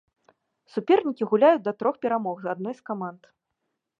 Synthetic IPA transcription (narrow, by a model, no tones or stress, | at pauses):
supʲɛrnʲikʲiɣulʲajut͡sʲd̪ɐt̪ɾɔxpʲɛɾamɔɣzad̪̚nɔjskamant̪